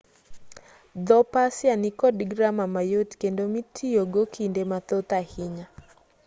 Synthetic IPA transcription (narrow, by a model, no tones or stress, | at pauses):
ðɔpasianikɔdiɡɾamamajɔtkɛndɔmitʰijɔɡɔkʰindɛmat̪ɔt̪ahiɲa